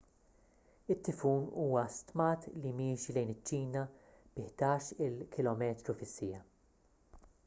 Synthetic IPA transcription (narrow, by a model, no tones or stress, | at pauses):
ɪt̪ːɪfuːnuːwɐst̪mɐːt̪limiːʃilɛjnɪt͡ʃːiːnɐ | b̥ɪħd̪ɐːʃɪlkʰɪlɔːmɛːt̪ɾufɪsːɪjɐ